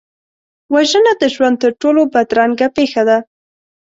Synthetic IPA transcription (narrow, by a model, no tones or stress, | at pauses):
waʒənad̪əʒwand̪̚t̪əɾʈolobad̪ɾaŋɡapexad̪a